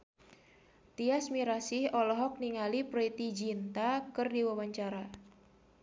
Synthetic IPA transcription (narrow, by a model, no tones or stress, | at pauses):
t̪iasmiɾasɪhɔlɔɦɔk̚niŋalipɾit̪id͡ʒint̪akɨrdiwawaɲt͡ʃaɾa